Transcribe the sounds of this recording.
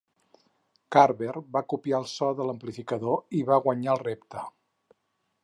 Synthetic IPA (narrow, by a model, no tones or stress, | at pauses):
kaɾβerbakupiaəlˠsɔðələmplifikəðoiβaɣwəɲaəlˠrept̪ə